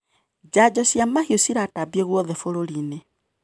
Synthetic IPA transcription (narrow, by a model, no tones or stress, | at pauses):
d͡ʑad͡ʑɔsjamahiosiɾatabjeɣwɔðɛfoɾoɾine